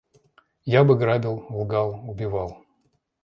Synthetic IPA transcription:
jabɨɡɾadʲɪlˠlˠɡalˠʊbʲɪvalˠ

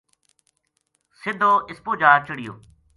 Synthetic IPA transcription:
sɪd̪ʱːoːʔɪspoːd͡ʒaːɾt͡ʃəɽɪjo̰ː

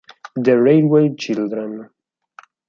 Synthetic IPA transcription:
d̪əɹejdwejt͡ʃɪld̪ɾən

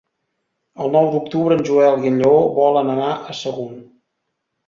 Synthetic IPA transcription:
əlˠnɔwd̪uk̚t̪uβɾəːnʲʒuɛlˠɣiʎoβɔlənənaʔəsəɣun

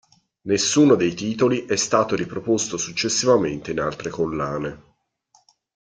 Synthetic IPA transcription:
nesːuːnod̪ejt̪iːt̪oliʔɛst̪aːt̪oɾipɾopost̪osut͡ʃːesːivament̪eina̰lt̪ɾekolːaːne

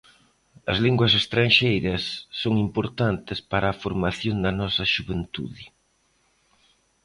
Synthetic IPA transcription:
ɐ̰zliŋɡwɐs̬est̪ɾanʃejɾɐsːoŋimpoɾt̪ant̪ɪspaɾɐːfoɾmaθjond̪ɐnɔsɐʃuβent̪ṵðɪ

